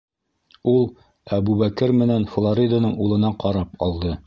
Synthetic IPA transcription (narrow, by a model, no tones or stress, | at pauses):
ulˠ | æbuβækɘɾmɘ̆nænflˠoɾʲid̪anɤɴulˠɤ̆nɑqɑɾɑpɒ̰lˠd̪ɤ